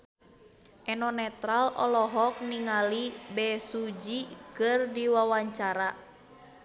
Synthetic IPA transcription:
ʔɛnɔnɛt̪ɾalɔ̰lɔɦɔk̚niŋalibɛsud͡ʒikɨrdiwawaɲt͡ʃaɾa

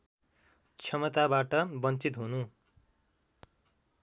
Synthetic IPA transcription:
t͡sʰʌmʌt̪abaʈʌbʌnt͡sit̪ɦunu

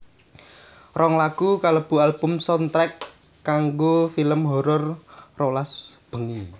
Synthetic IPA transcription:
rɔŋlaɡ̥ukaləb̥ṳalbʊmsɔnt̪ɾɛkː | aŋɡofiləmɦɔɾɔrrolasb̥ə̤ŋi

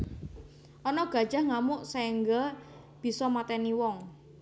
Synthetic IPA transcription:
ʔɔnɔɡ̥ä̤d̥ʒ̥a̤hŋamʊʔsɛŋɡə | b̥i̤sɔmat̪ɛniwɔŋ

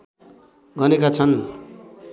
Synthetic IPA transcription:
ɡʌnekat͡sʰʌn

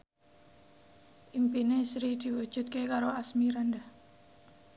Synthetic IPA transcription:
ʔimpinesɾid̪̥i̤wud̥ʒ̥ṳt̪̚kekaɾoasmiɾanda

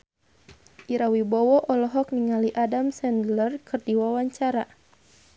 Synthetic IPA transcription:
ʔiɾawibɔwɔʔɔlɔɦɔk̚niŋaliʔadamsɛndlərkʰɨrdiwawaɲt͡ʃaɾa

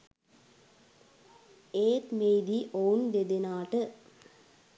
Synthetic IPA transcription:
eːt̪mejd̪iʔound̪ed̪enaːʈə

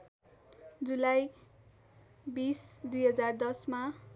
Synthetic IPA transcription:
d͡zulaj | bisd̪ujɦʌd͡zard̪ʌsma

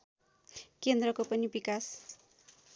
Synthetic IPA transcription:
kend̪rʌkopʌnibikas

